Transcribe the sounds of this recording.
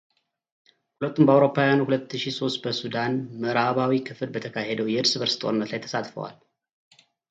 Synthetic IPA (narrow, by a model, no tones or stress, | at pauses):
hulət̪ːumbəawɾo̞pʰːawjanuhulət̪ːɨʃiso̞st̪bəsud̪anməɾaβawikʰɨfɨlbət̪ʰəkʰahed̪əwjɛɨɾsɨbəɾsɨ̥t̪ʼo̰nːət̪lajt̪ʰə̥sat̪fə̰wa̰l